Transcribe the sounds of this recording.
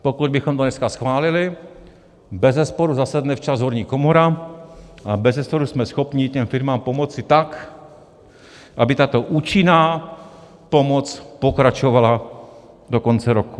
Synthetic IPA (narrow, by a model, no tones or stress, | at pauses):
pokud̪̚bɪxomt̪onɛskasxvaːlɪlɪ | bɛzɛspoɾuzasad̪nɛft͡ʃazɦoɾɲiːkomoɾa | ʔabɛzɛspoɾusmɛsxopɲɪcɛmfɪɾmaːmpomot͡sɪt̪ak | ʔabɪt̪at̪oʔuːt͡ʃɪnaː | pomot͡spokɾat͡ʃovala | dokont͡sɛɾoku̥